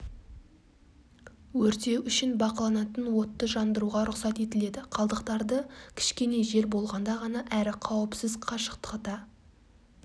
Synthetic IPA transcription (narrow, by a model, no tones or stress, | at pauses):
wɵɾt̪e̞ʔʏʃɪnbɑqɑlˠɑnɑt̪ənwo̞t̪ːəʒɑnd̪əɾuʁɑɾʊqsɑt̪e̞t̪ɪle̞d̪ɪqʰɑlˠd̪əqt̪ɑɾd̪əkʲʰɪ̥ʃkʲe̞ne̞ʒe̞ɾbo̞lˠʁɑnd̪ɑʁɑnɑʔæɾɪqʰɑwəpsɪzqʰɑʃə̥qt̪ə̥qt̪ɑ